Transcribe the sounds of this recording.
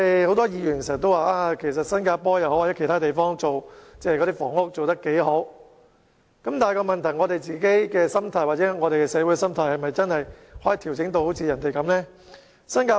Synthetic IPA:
e˨ho˧˥wt̪ɔː˥jiː˨˧jy˨˩n˨sɛ˨˩t̪o˥waː˨˧ʔaː˧kʰe˨˩s̬ɐ˨t̚sɐ˥nkaː˧pɔː˥jɐ˨whwaː˨˩t͡sɛ˨˦kʰe˨˩t̪aː˥t̪e˨jfɔː˥ŋt͡so˨wt͡sɛː˧˨kɔ˨˧t̪iː˥fɔː˨˩ŋʊ˥k̚t͡so˨wt̪ɐ˥kːe˨˥jɦo˨˥w | kɐ˨˥mt̪aː˨jkɔː˧mɐ˨nt̪ʰɐ˨˩jŋɔ˨˧t̪e˨jt͡siː˨ke˨˥jkɛː˧sɐ˥mt̪ʰaː˨˩jwaː˨t̚t͡sɛ˨˦˥ŋɔː˨˧ɾe˨jkɛ˧sɛː˨˧wu˧˥ɛ˧sɐ˥mt̪ʰaː˧˥jhɐ˨jmɐ˨jt͡sɐ˥nhɐ˨jhɔː˨˦˥jiː˨t̪ʰi˨˩wt͡sɪ˨˥ŋt̪o˧who˨˥wt͡sʰiː˧jɐ˨˩nt̪e˨jkɐ˨˥mlɛː˥ | sɐ˥nkaː˧

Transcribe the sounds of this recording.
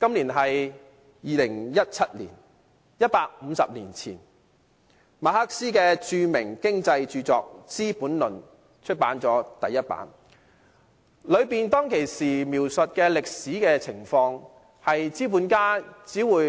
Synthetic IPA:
kɐ˥mliː˨˩nɦɐ˨j | jiː˨lɪ˨˩ŋjɐ˥t̚t͡sʰɐ˥t̚lḭ˨˩n | jɐ˥t̚paː˧k̚m̩ː˨˧sɐ˨p̚liː˨˩nt͡sʰḭː˨˩n | maː˨˥ha˥k̚siː˥kɛː˧t͡ʃyː˧mɪ˨˩ŋkɪ˥ŋt͡sɐ˧jt͡ʃyː˧t͡sɔ̰ː˨k̚t͡siː˥puː˨˥nlɵ˨n | t͡ʃʰɵ˥t̚paː˨˥nt͡sɔː˨˥t̪ɐ˨jːɐ˥t̚pa̰ː˨˥n | lɵ˨˧ɥpiː˨nt̪ɔː˥ŋkʰe˨˩jsiː˨˩miː˨˩wsɵ˨t̚kɛː˧lɪ˨k̚siː˨˥kɛː˧t͡sʰɪ˨˩ŋfɔː˧ŋ | hɐ˨jt͡siː˥puː˨˥nkaː˥t͡siː˨˥wuː˨j

